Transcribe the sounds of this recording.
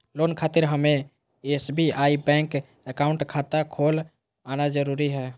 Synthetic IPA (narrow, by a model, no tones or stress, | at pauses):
loːnkʰaːt̪ɪɾɦəme | esbʱiaːibɛ̃ːŋk | əkaʊ̃ɳʈkʰat̪akʰoːl | anad͡ʒəɾuɾiɦɛː